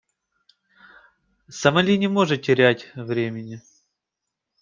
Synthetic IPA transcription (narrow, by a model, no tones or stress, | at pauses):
səmɐlʲinʲɪmo̞ʐɨtʲːɪɾʲætʲvɾʲemʲɪnʲɪ